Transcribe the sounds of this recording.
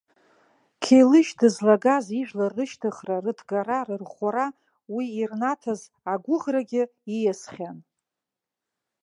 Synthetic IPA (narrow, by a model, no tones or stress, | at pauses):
kʲʰejlɨʃtɨzlaɡaziʒᶣlarɨʃtʰɨχrarɨdʰɡaɾarɨrχʷaɾa | wiːrnatʰaz | aɡʷʊʁraɡʲɪijasχʲan